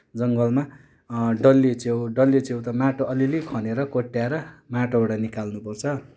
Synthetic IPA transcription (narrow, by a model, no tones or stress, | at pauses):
d͡zʌŋɡʌlma | ɖʌlːit͡sewɖʌlːit͡sewt̪ʌmaʈoʔʌlilekʰʌneɾʌkoʈːjaɾʌmaʈobaɽʌnikalnupʌrt͡sʰʌ